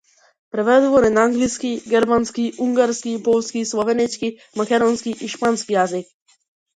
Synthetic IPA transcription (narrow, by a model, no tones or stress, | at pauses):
pɾɛʋɛd̪ʋoɾɛnaŋɡliskiɡɛɾmanskiʔuŋɡaɾskipolskislɔʋɛnɛt͡ʃki | mɐkʲɛd̪ɔnskiʔiʃpanskijazik